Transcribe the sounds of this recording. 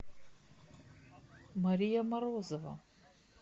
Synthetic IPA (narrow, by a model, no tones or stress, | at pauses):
mɐɾʲijɐmɐɾoːzɔvɐ̰